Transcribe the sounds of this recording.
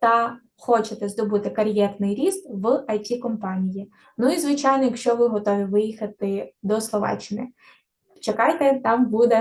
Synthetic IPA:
t̪ɐ | xɔt͡ʃet̪ɛzd̪ɔbut̪ɪkɐɾʲjɛrnɪjɾʲist̪ʋɨɐjtʲikɔmpɑnʲiji | nuizʋɪt͡ʃɑjnɔjɐkʃt͡ʃɔʋɪɦɔt̪ɔʋʲiʋɪjixɐt̪ɪd̪ɔslˠɔʋɑ̰t͡ʃːɪnɪ | t͡ʃekɑjt̪ɛt̪ɑmbud̪ɛ

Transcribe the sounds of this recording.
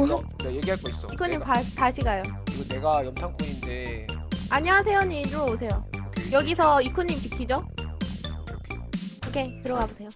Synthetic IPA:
o | nejeɡiɦaɭk͈ois͈ʌikʰːuɲːimpapaɕʰiɡajokɯɾiɡone̞ɡajʌmtʰaŋkʰuŋinde | aɲiasʰe̞joɲid͡ʑoosʰe̞joejʌɡisʰʌikʰuɲːimtik͈ʰːid͡ʑo | kʰeɯkʰe̞tɯɾʌɡabusʰe̞jo

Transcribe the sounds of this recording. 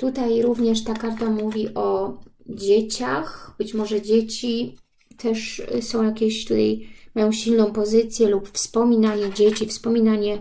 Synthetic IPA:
t̪ut̪ajɾuvɲɛʂt̪akaɾt̪amuvʲiʔɔd͡ʑet͡ɕaxb̥ɘt͡ɕmɔʐɛd͡ʑet͡ɕi | t̪ʰɛʂsɔ̃w̃jakʲeɕt̪ut̪ajmajɔ̃w̃ɕilnɔ̃w̃pɔzɘt̪sʲjɛlupfspɔmʲinaɲɛd͡ʑet͡ɕifspɔmʲinaɲɛ

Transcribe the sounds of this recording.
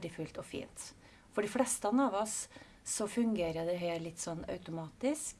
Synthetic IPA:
ɖɪfʉlt̪ɔfḭːnt̪ | fɔɖɪflɛst̪ɑnɑːʋɔsː | ɔfʉŋɡeːɾəd̪ɛɦeːɾlɪt̪ːsɔnːœ̰ʉt̪ʊmɑːt̪ɪsk

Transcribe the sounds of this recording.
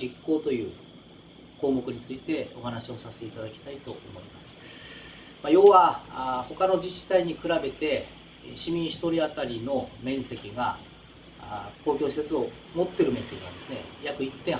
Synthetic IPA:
ikːo̞ːt̪o̞jɯ̟ː | ko̞ːmo̞kɯ̟ɲ̟it͡sɨit̪e̞o̞̰ɦanaɕio̞saset̪e̞it̪ad̪akʲi̥t̪ait̪o̞omo̞imasɨ̥ | majo̞ːβaho̞kano̞d͡ʑit͡ɕi̥t̪aiɲ̟ikɯ̟ɾabe̞t̪e̞ | ɕimʲĩɰ̃ɕi̥t̪o̞ɾʲiat̪aɾʲino̞mẽ̞ɰ̃se̞kʲiɡa | koːkʲo̞ːɕi̥se̞t͡sɨo̞ | mo̞t̪ːe̞ɾɯ̟mẽ̞ɰ̃se̞kʲinã̰nd̪esɨne̞̰jakɯ̟it̪ːẽ̞

